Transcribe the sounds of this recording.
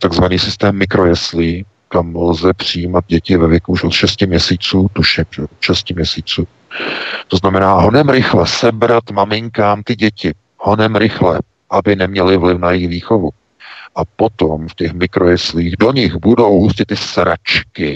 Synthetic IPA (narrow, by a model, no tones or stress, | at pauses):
t̪aɡzvaniːsɪst̪ɛːmːɪkɾo̞jɛsliː | kamlzɛpr̝̥ɪjiːmad̪̚ɟɛcɪvɛvjɛkuuʃʔot̪ʃɛscɪmɲɛsiːt͡suːt̪uʃɪmʒɛot̪ʃɛscɪmɲɛsiːt͡suː | t̪o̞znamɛnaːɦo̞nɛmɾɪxlɛsɛbɾat̪mamɪŋkaːmt̪ɪɟɛcɪ | ho̞nɛmɾɪxlɛ | ʔabɪnɛmɲɛlɪvlɪfnajɪxviːxo̞vu | ʔapo̞t̪o̞mfcɛxmɪkɾo̞jɛsliːɣdo̞ɲɪxbudo̞wɦuscɪt̪ːɪsɾat͡ʃkɪ